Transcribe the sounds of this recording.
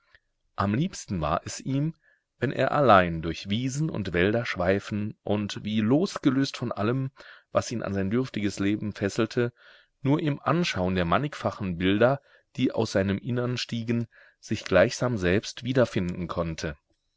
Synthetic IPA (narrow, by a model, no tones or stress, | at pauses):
ʔamliːpstn̩va̰ːɐʔɛsʔiːm | vɛnʔḛːɐʔalaɪndʊɐçv̥iːzn̩ʔʊ̰ntv̥ɛldɐʃv̥aɪfn̩ʔʊntviːloːsɡ̥əløːstfɔnʔaləmvasʔiːnʔa̰nzaɪndʏɐftɪɡəsleːbm̩fɛsl̩tʰə | nuːɐʔɪmʔanʃaʊəndeːɐmanɪkfaχn̩bɪldɐ | d̥iːʔa̰ʊsz̥aɪnəmʔɪnəʁnʃtiːɡn | z̥ɪçɡ̥laɪçz̥aːmzɛlpstv̥iːdɐfɪndn̩kʰɔntʰə